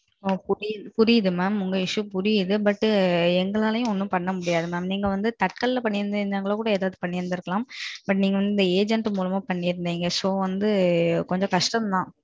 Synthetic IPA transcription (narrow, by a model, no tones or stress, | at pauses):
pʊɾɪjɯpʊɾɪjɐðɯmaːmʊŋɡɐɪʂɯpʊɾɪjɯðɯbɐʈːɯɛŋɡɐɭaːlɐjʊ̃ɔnːɯpɐɳːɐmʊɽɪjaːðɯmaːmniːŋɡɐʋɐnd̪ɯt̪ɐʈ̚kɐlɪlɐpɐɳːɪɾɯnd̪ɯɾɯnd̪aːŋɡɐɭõːkuːɽɐeːðaːðɯpɐɳːɪɾɯnd̪ɪɾɯkːɐlaːmbɐʈ̬ːniːŋɡɐʋɐnd̪ɯɪnd̪ɐeːd͡ʒɛɳʈmuːlɐmaːpɐɳːɪɾɯnd̪iːŋɡɐsoːʋɐnd̪ɯkɔɲd͡ʒɔ̃kɐʂʈɐmd̪ãː